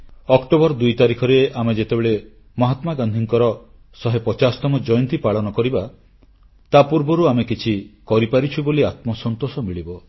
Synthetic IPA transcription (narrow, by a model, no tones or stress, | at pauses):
ɔkʈobɔɾd̪ujt̪aɾikʰɔɾeʔamed͡ʒet̪ebeɭe | mɔɦat̪maɡand̪ʱiŋkɔɾɔ | sɔɦepɔt͡ʃasɔ̥t̪ɔmɔd͡ʒɔjɔnt̪ipaɭɔnɔkɔɾiba | t̪apuɾbɔɾuamekit͡ʃʰikɔɾipaɾit͡ʃʰiboliat̪mɔsɔnt̪osɔmiɭibɔ